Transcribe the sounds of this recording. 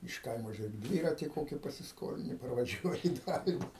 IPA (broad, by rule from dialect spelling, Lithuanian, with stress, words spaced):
ɪʃ ˈkɐɪmoː ʒʲʊˈrʲeːk ˈdʲʋʲiːrɐtʲɪ ˈkoːkʲɪ pɐsʲɪsˈkoːlʲɪnʲɪ pɐrʋɐˈʒʲuɔjɪ ɪ ˈdɑːlʲɪnʲɪ